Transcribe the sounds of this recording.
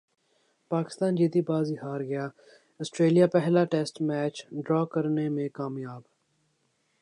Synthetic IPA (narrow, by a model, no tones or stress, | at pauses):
paːkɪ̥st̪aːnd͡ʒeːd̪iːbaːziɦaːɾɡɪjaː | əsʈɾeːlijaːpɛɦlaːʈeːsʈmɛːt͡ʃɖɾɔːkəɾnemẽkaːmjaːb